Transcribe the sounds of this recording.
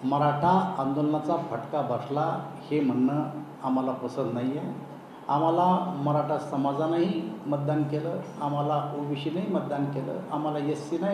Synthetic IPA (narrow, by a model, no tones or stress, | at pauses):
məɾaʈʰaand̪olnat͡safəʈkabʱəslahem̤əɳːə | am̤alapəsəd̪naɦjjɛ | a̰m̤alaməɾaʈʰasəmad͡zanaɦimət̪̚d̪ankeləam̤alauʋiɕinaɦimət̪̚d̪ankelə̰am̤alajəsːina